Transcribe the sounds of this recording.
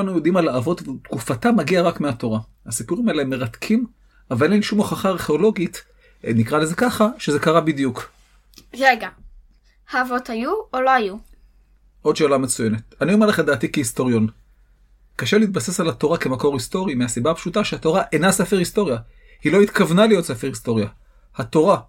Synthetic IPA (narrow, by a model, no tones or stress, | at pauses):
anujo̞d̪imalaːvo̞tvet̪kufatamːaɡiaʁakmeato̞ʁa | hasipuʁimaeleemːe̞ʁatkʰim | avalenenʃumoχaχaːʁχeolo̞ɡit | nikʁale̞ze̞kaχaʃe̞ze̞kaʁabid̪juk | ʁeɡa | haːvo̞thajuoloaju | ʔo̞dʃeːlamet͡suje̞net̪aniomeleadaːtikehisto̞ʁijo̞n | kaʃeleit̪̚base̞salato̞ʁake̞mako̞ʁisto̞ʁimeasibaapʃutaʃeato̞ʁaʔenasefeʁhisto̞ʁja | hilo̞it̪kavnalijo̞tsefeʁhisto̞ʁja | hato̞ʁa